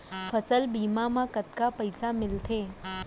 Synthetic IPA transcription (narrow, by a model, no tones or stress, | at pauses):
pʰəsəlbiːmamãkət̪̚kapəjsamɪlt̪ʰeː